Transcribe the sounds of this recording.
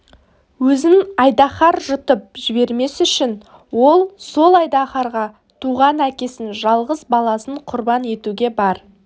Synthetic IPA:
wɵzɪnɑjd̪ɑχɑɾʒʊt̪əp̚ʒɪbe̞ɾme̞sʏʃɪn | wo̞lˠso̞lˠɑjd̪ɑχɑɾʁɑ | t̪ʰuʁɑnækʲe̞sɪnʒɑlˠʁəzbɑlˠɑsəɴqʰʊɾbɑne̞t̪uɡʲe̞bɑɾ

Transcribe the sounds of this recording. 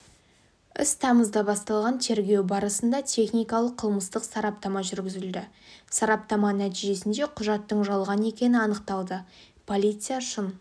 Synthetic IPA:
ɪ̰st̪ʰɑməzd̪ɑbɑst̪ɑlˠʁɑnt̪ʰe̞ɾɡʲe̞wbɑɾəsənd̪ɑt̪ʲʰe̞χnijkɑlˠəqʰːəlˠməst̪əqsɑɾɑp̚t̪ɑmɑʒʏɾɡʲɪzɪld̪ɪ | sɑɾɑp̚t̪ɑmɑnæt̪iʒe̞sɪnd̪e̞qʰʊʒɑt̪ːəɴʒɑlˠʁɑnəe̞kʲe̞nɪɑnəqt̪ɑlˠd̪ə | pʰo̞lʲijt̪sɨjaʃən

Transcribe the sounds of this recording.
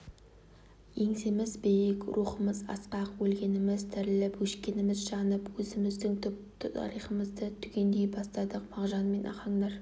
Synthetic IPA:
je̞ŋsemɪzbejekʲɾuχəməzɑ̰sqɑqwɵlɡʲe̞nɪmɪzt̪ʰɪɾɪlɪpwɵʃkʲe̞nɪmɪzʒɑnəpwɵzɪmɪzd̪ɪŋt̪ʰʏp̚t̪ɪt̪ʰɑ̰ɾijχəməzd̪ət̪ʰʏɡʲe̞nd̪e̞jbɑst̪ɑd̪əqmɑʁʒɑnme̞nʔɑ̰χɑɴd̪ɑɾ

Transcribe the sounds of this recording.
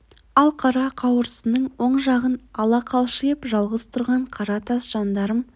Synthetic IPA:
ɑlˠqʰɑɾɑqʰɑwəɾəsənəɴwo̞ɴʒɑʁənɑlˠɑqʰɑlˠʃəjəpʒɑlˠʁəz̥t̪ʰʊɾʁɑɴqʰɑɾɑt̪ʰɑsʒ̥ɑnd̪ɑɾəm

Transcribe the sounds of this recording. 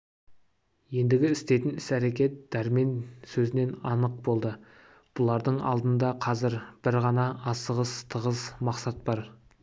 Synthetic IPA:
je̞nd̪ɪɡʲɪɪst̪e̞t̪ɪnɪsæɾe̞kʲe̞t̪̚d̪̥æɾme̞nsɵzɪne̞nɑnəq̚bo̞lˠd̪ə | b̥ʊlˠɑɾd̪əɴɑ̰lˠd̪ənd̪ɑqʰɑzɪɾb̥ɪɾʁɑnɑɑsəʁəst̪ʰəʁəsmɑqsɑt̪̚bɑɾ

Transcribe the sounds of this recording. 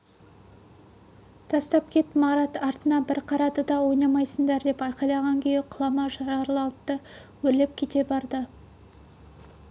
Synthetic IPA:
t̪ʰɑst̪ɑp̚kʲʰe̞t̪mɑɾɑt̪ɑɾt̪ənɑbɪɾqʰɑɾɑd̪əd̪ɑwo̞jnɑmɑjsəɴd̪ɑɾd̪e̞pɑjqɑjlˠɑʁɑŋkʲʰejɪqʰʊlˠɑmɑʒɑɾɑɾlˠɑwətt̪ːəwɵɾle̞p̚kʲʰe̞t̪e̞bɑɾd̪ə

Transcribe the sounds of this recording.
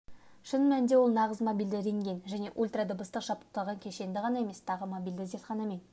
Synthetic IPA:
ʃənmænd̪e̞wo̞lˠnɑʁəzmobijld̪ɪɾe̞ŋɡʲe̞nʒæne̞ʔulʲt̪rad̪obəst̪əqʒ̥ɑp̪̚ə̥q̚t̪ɑlˠʁɑŋkʲʰe̞ʃe̞nd̪ɪʁɑnɑe̞me̞st̪ʰɑʁəmobijld̪ɪzet̪χɑnɑmen

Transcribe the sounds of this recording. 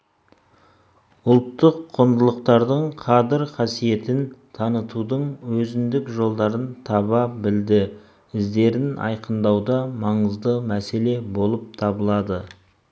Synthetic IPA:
ʊlˠt̪ːəqʰːond̪əlˠəqt̪ɑɾd̪əɴqʰɑd̪ɪɾqʰɑsije̞t̪ɪnt̪ʰɑnət̪ud̪əɴwɵzɪnd̪ɪkʒo̞lˠd̪ɑɾənt̪ʰɑβɑbɪld̪ɪ | ɪzd̪e̞ɾɪnɑ̰jqənd̪ɑwd̪ɑmɑɴəzd̪əmæse̞le̞bo̞lˠəp̚t̪ʰɑbəlˠɑd̪ə

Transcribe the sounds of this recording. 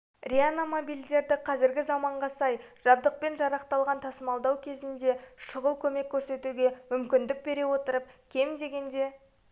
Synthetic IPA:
rʲianomo̞bijlʲd̪e̞ɾd̪ɪqʰɑzɪɾɡʲɪzɑmɑɴʁɑsɑjʒ̥ɑb̚d̪əq̚pe̞nʒɑɾɑqt̪ɑlˠʁɑnt̪ʰɑsəmɑlˠd̪ɑwkʲʰe̞zɪnd̪e̞ʃəʁəlˠkʲʰɵme̞kʲʰːɵɾse̞t̪uɡʲe̞mʏmkʲɪnd̪ɪk̚be̞ɾe̞wo̞t̪əɾəp̚kʲʰe̞md̪e̞ɡʲe̞nd̪e̞

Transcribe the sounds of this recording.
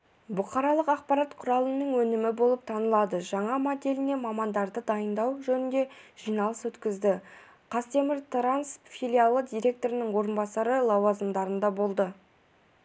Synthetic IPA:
bʊqɑɾɑlˠəqɑq̚pɑɾɑt̪qʰʊɾɑlˠənəɴwɵnɪmɪbo̞lˠəp̚t̪ʰɑnəlˠɑd̪əʒɑɴɑmod̪e̞lɪne̞mɑmɑnd̪ɑɾd̪əd̪ɑjənd̪ɑwʒɵnɪnd̪e̞ʒ̥ijnɑlˠəswɵt̪kʲɪzd̪ɪ | qʰɑst̪e̞mɪɾt̪ʰɾansfʲilʲijalˠːəd̪ijɾʲe̞k̚t̪o̞ɾɪnɪŋwo̞ɾənbɑsɑɾəlˠɑwɑzəmd̪ɑɾənd̪ɑbo̞lˠd̪ə

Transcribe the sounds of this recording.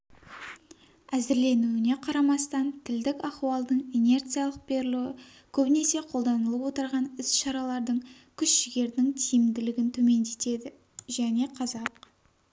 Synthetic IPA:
æzɪɾle̞nuɪne̞qʰɑɾɑmɑst̪ɑnt̪ʰɪld̪ɪkʲɑχuɑlˠd̪əɴene̞rt̪sɨjɑlˠəq̚b̥e̞ɾɪlɪwɪ | kʲʰɵbɪne̞se̞qʰo̞lˠd̪ɑnəlˠəpwo̞t̪əɾʁɑnɪsʃɑɾɑlˠɑɾd̪əɴkʲʰʏʃʒɪɡʲe̞ɾd̪ɪŋt̪ʰijɪmd̪ɪlɪɡʲɪnt̪ʰɵme̞nd̪e̞t̪e̞d̪ɪ | ʒæne̞qʰɑzɑq̚

